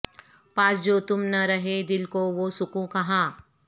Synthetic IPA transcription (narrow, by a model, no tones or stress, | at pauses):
paːsd͡ʒoːt̪ʊmnɐɾɐɦed̪ɪlkoʋosʊkũkɐɦãː